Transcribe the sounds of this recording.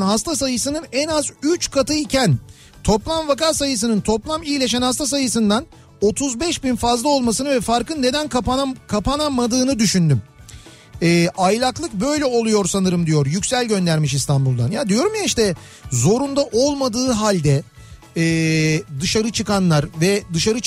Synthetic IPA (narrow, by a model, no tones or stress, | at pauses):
nɦast̪ʰasajɯsɯnɯnɛnazyt͡ʃkʰat̪ʰɯicʰæn | t̪ʰo̞plˠamvakasajɯs̬ɯnɯnt̪ʰo̞plˠamijilʲe̞ʃænhast̪asajɯsɯnd̪an | o̞t̪ʰuzbɛʃbinfazlˠao̞lˠmasɯnɯvɛfaɾkɯnːe̞d̪ænkapakʰapanamad̪ɯːnɯd̪yʃynd̪ym | ɛːʔajlʲˠaklˠɯk̚bø̞jlʲɛo̞lˠujo̞ɾsanɯɾɯmd̪ijo̞ɾjycsælʲɟø̞nd̪æɾmiʃist̪ʰanbulˠd̪a̰njad̪ijo̞ɾumjaiʃt̪ɛ | zo̞ɾund̪aʔo̞lˠmad̪ɯːɦalʲd̪ɛ | ɛːd̪ɯʃaɾɯt͡ʃʰɯkanlˠaɾvɛd̪ɯʃaɾɯ